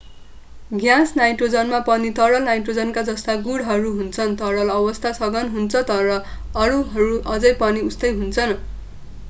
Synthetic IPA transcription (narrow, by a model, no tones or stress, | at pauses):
ɡjãsnajʈrod͡zʌnmapʌnit̪ʌɽʌlnajʈrod͡zʌnkad͡zʌst̪aɡuɽɦʌɾuɦunt͡sʰʌnt̪ʌɽʌlʌbʌst̪ʰasʌɡʌnɦunt͡sʰʌt̪ʌɾʌ | ʌɾuɦʌɾuʔʌd͡zʌjpʌniust̪ʌjɦunt͡sʰʌn